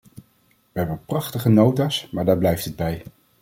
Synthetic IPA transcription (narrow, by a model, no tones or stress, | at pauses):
ʋəɦɛbənprɑχtəχənowtaːsmaːɹdaːɹblɛjftəd̚bɛj